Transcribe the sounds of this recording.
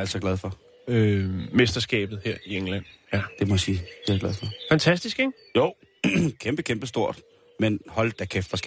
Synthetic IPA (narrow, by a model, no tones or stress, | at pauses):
æl̰sɒ̽ɡ̥lɛð̞ˠfɒ̽ | ømesd̥ɐsɡ̥ɛ̰ːb̥ð̩ˠheɐ̰ieŋlæn̰d̥e̝mɒsiːd̥eɪɡ̥læð̞ˠfɒfænt͡sʰæsd̥isɡ̥eŋ | joʊ̰ | kʰemb̥əkʰemb̥əsd̥o̝ɐ̰d̥ | menhɒ̽ld̥̚d̥ækʰefɒsɡ̥